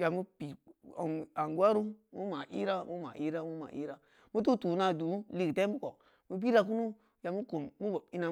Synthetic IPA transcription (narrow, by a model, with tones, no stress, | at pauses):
ja˨mu˦pi˨a̰˨ŋa˨ŋɡwa˦ɾu˦mu˦ma˨ʔḭ˦ɾa˦mu˦ma̰˨ʔi˦ɾa˦mu˦ma̰˨ʔḭ˦ɾa˦ | mu˦t̬u˦tu˨˦na˨du˨˦li˦kte˦u˦ko˨ | mu˨b̬i˦ɾa˦ku˦nu˦ | ja˨mu˦ku˨mːu˦bo˨bi˦na˨